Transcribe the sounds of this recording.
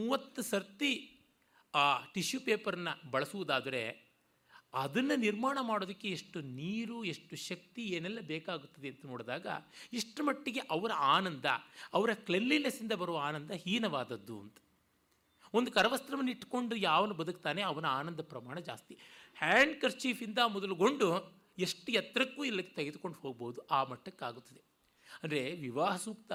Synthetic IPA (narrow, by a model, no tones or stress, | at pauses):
muːʋɐt̪ːusɐɾt̪i | aːʈiʃjupeːpɐɾɐnːɐbɐɭɐsuʋud̪aːd̪ɐɾe̞̰ | ɐd̪ɐnːɐniɾmaːɳɐmaːɽoːd̪ɐkːe̞eʂʈuniːɾueʂʈuʃɐk̚t̪ieːnɛlːɐbeːkaːɡut̪ːɐd̪eɐnt̪ɐno̞ːɽd̪aːɡɐ̰iʂʈɐmɐʈːiɡe̞ʔɐʋɐɾɐaːnɐnd̪ɐ̰ɐʋɐɾɐklelːinesind̪ɐbɐɾuʋɐaːnɐnd̪ɐhiːnɐʋaːd̪ɐd̪ːuɐ̰nt̪ɐ̥ | ond̪ukɐɾɐʋɐst̪ɾɐmɐniʈːko̞ɳɖujaːʋɐnubɐd̪ukt̪aːneɐʋɐnɐaːnɐnd̪ɐpɾɐmaːɳɐd͡ʒa̰ːst̪ihaːɳɖkɐɾt͡ʃiːfind̪ɐmɔd̪ɐluɡo̞ɳɖu | eʂʈujɐt̪ɾɐkːuːilːɐkːe̥t̪ɐɡed̪ukoɳɖuho̞ːɡ̚boːd̪uʔaːmɐʈːɐkːeaːɡut̪ːɐd̪e̞ | ɐnd̪ɾe̞ʋiʋaːɦɐsuːk̚t̪ɐ